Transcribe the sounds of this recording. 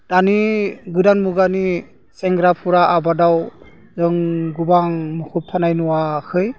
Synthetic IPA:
d̥aniɡɯdanmuɡani | sɛŋɡɾapʰuɾaʔabadaw | zɔŋɡubaŋmukʰup̚pʰanajnuwakʰɯj

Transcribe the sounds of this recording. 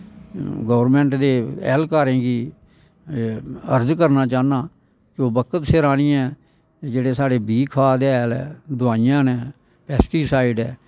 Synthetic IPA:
ɡəːʋɾmɛ̃ːɳʈd̪eːɛ̰ːlkaːɾẽːɡiː | əɾd͡ʒkəɾnaːt͡ʃaːnaː | kɪoːbəkət̪seɾaːñiːɛ̃ː | d͡ʒeːɽeːsaːɽeːbiːkʰaːd̪ɛːlɛːd̪ʊaːɪjãːnɛː | pɛːsʈiːsaːɪɖɛː

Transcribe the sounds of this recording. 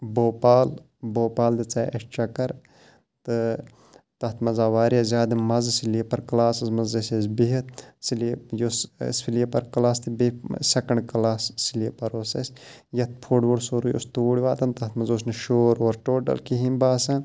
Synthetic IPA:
boːpaːl | boːpaːld̪it͡saːɐʃt͡ʃɐkɐɾ | t̪ɨ | t̪ɐt̪ʰmɐzaːʋaːɾijɐzʲaːd̪imɐzsiljepɐɾklaːsɐzmɐzɐsesbiɦit̪silejosspʰiljepɐɾklaːst̪ibisʲɐkɐɳɖklaːssiljepɐɾoːsɐ̰sʲ | jɐt̪̚pʰoːɖʋuɽsoɾuːjo̰st̪uːɽʲiʋaːt̪ɐnt̪ɐt̪mɐzoːs̬nɐʃoːɾoːɾʈoːʈɐ̰lkiɦinbaːsɐn

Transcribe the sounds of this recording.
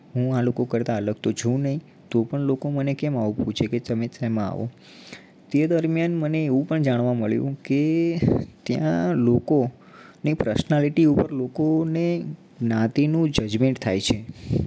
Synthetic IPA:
ɦũalokokəɾt̪aələɡ̚t̪od͡ʒũnəɦĩ | t̪opəɳlokomənekɛmaʋubʱũt͡ʃʰeket̪əmesamãa̰ʋo̰ | t̪ed̪əɾmjanməneːʋũpəɳd͡ʒaɳ̃ʋãməɭjṵ̃ke | t̪jã̰loko | nipɾəsnaliʈiupəɾlokone | nãt̪inũd͡ʒəd͡ʒmẽɳʈt̪ʰa̰jt͡ʃʰe

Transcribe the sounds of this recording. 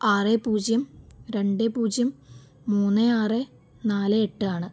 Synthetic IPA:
aːrepuːd͡ʑjɐmɾe̞ɳɖepuːd͡ʑjɐmː | uːnːeaːre | naːlɨeʈːɨaːɳɨ

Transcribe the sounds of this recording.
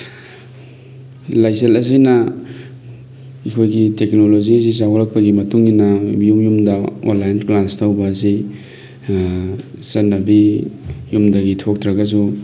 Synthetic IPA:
lajselɐs̬inɐ | ikʰojɡiteknoloziɐs̬is̬aɦuɾɐk̚pɐɡimɐtuŋːinɐjumjumdɐo̰nlajnklastʰawbɐːs̬i | sɐnɐbijumdɐɡitʰok̚tɾɐɡɐs̬u

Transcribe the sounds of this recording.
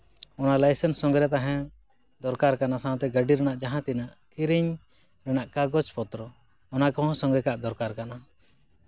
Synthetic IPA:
ɔnalajsɛnsːɔŋɡɾɛt̪̬aɦɛ̃ | d̪ɔɾkaɾkanasaw̃t̪ɛɡəɖiɾɛñaʔd͡ʒaɦãt̪inaʔkiɾiɲ | ɾɛñaʔkaɡɔt͡ʃpɔt̪ɾɔ | ɔnakɔ̃ɦɔ̃sɔ̃ŋɡɛkaʔd̪ɔɾkaɾkana

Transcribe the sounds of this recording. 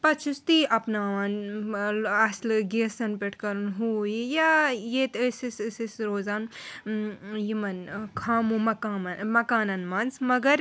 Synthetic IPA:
pɐt͡ʃʰist̪iʔɐpnaːʋɐn | ɐslɡeːsɐnpeʈʰkɐɾunɦuːjijajet̪əsissisɾoːzaːn | jimɐnkʰaːmũmɐkaːmɐmɐkaːnɐnmɐnzmɐɡɐɾ

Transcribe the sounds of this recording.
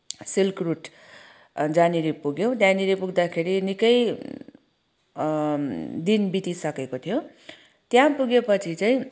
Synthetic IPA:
silkruʈ | d͡zaniɾipuɡjow̃d̪janiɾipuɡd̪akʰeɾinikʌj | d̪inbit̪isʌkekot̪ʰijo | t̪jãpuɡepʌt͡sʰit͡saĩ

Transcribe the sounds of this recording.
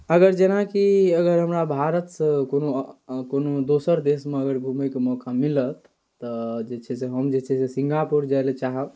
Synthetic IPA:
əɡəɾd͡ʒenakiəɡəɾɦəmɾabʱaɾət̪sə̃konokonod̪osəɾd̪esmeəɡəɾbʱumekemɔkamilət̪ː | əd͡ʒet͡ʃʰɛseɦəmd͡ʒet͡ʃʰɛsesiŋɡapuɾd͡ʒajlet͡ʃaɦə

